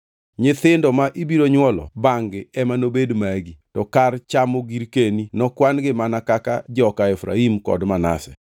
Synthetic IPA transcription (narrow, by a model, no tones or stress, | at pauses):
ɲɪt̪ɪndɔmaʔibiɾoɲwɔlɔ̰baŋɡɪɛmanobedmaɡitɔkart͡ʃamoɡiɾkeninɔkwanɡɪmanakaka̰d͡ʒɔkaɛfɾa̰imkɔ̰dmana̰sɛ